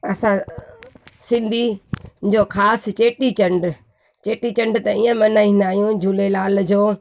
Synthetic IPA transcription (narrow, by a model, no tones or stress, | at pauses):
ɐsã | sɪ̃nd̪ʱid͡ʑoːkʰaːst͡ɕeːʈit͡ɕɐ̃ɳɖ | t͡ɕeːʈit͡ɕɐ̃ɳɖt̪ɐiːə̃mɐnaːĩːnd̪aːɦjũd͡ʑʱulelaːld͡ʑoː